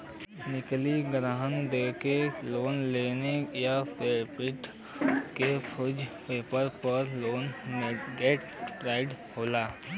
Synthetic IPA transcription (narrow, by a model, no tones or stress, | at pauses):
nɪkliɡɾaːɦənd̪eːkeloːnleːnejapʰeːɾpɪʈ | kepʰʊd͡ʒpeːpəɾpəɾloːnmeɡeːʈ | pɾaːɪɖhoːlaː